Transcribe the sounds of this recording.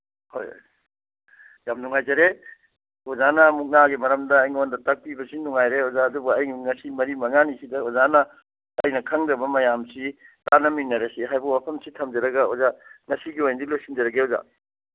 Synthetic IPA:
ho̰j̰j | jamnuŋajd͡ʒɐɾe | ozanɐmuk̚naɡimɐɾɐmdɐːjŋondɐtɐk̚pibɐsinuŋajɾeozaɐdubuɐjŋŋɐsimɐɾimɐŋanisidɐozanɐː | jnɐkʰɐŋdɐbɐmɐjamsitanɐminːɐɾesiɦajbɐwapʰɐmsitʰɐmd͡ʒɐɾɐɡɐozaŋɐsiɡiojndilojsind͡ʒɐɾɐɡeoza̰

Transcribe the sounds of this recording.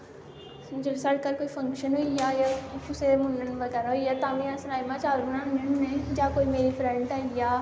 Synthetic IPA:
md͡ʒəsəɽkəɾkoːipʰə̃ŋkʃənɦoːijaːjaʊsemʊnənʋəɡɛːɾaɦoijaːt̪ãːmĩãːsɾaːimãːt͡ʃaːlɾunãmʊnənːẽd͡ʒaːkoːimeːɾifʰɾɛ̃ɳɖaːijaː

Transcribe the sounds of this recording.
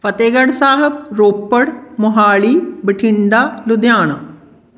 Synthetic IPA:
fɐt̪eːɡɐɽsaːɦɐb̚ɾoːpːəɽmʊɦaːɭiːbɪʈʰɪɳɖaːlud̪jaːɳɐ

